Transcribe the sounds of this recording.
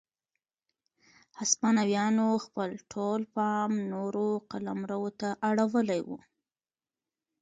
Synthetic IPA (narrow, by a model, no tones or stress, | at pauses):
haspɑnawjɑnoxpəlʈʰolpɑmnoɾoqalamɾawot̪aʔaɽawəlajwṵ